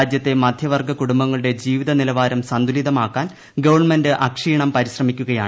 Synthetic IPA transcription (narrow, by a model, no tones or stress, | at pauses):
d͡ʑjɐt̪ːe̞mɐd̪ʱjɐʋɐrɡʱɐkuɽumbɐŋːɐɭuɽe̞d͡ʑiːʋiðɐnilɐʋaːɾɐmsɐnd̪ʱuliðɐmaːkːaːn | ɡɐʋɐrɳmendɨʔɐkʂiːɳɐmpɐɾiɕrɐmikʲːuɣɐjaːɳɨ